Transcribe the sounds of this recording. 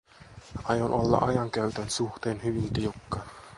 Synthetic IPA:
ɑjonʔolːɑ̰ʔɑjɑŋkæyt̪ænsuxt̪eːnhyʋint̪iukːɑn

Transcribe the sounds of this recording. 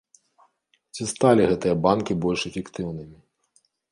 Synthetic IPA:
t͡sʲist̪alʲiɣɛt̪ɨjɐbankʲibɔlʲʂɛfʲɛkt̪ɨwnɨmʲi

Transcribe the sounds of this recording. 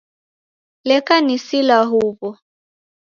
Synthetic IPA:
lɛkʼanisilaɦuːpɔ

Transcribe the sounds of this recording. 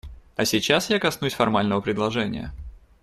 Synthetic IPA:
ɐsʲɪt͡ɕasjakɐsnusʲfɐrmalʲnəvəpɾʲɪd̪lˠɐʐɛnʲɪ̰jə̰

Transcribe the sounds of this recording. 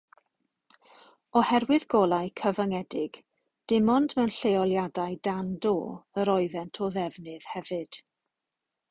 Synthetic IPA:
ɔhɛɾwɨðɡɔlˠaɨkʰəvəŋɛdɪɡ̥ | d̥ɪmɔndmɛwnɬejɔlˠjadaɨdando̰ːəɾɔɨðɛntʰɔðɛvnɨð̥hɛvɨd̥

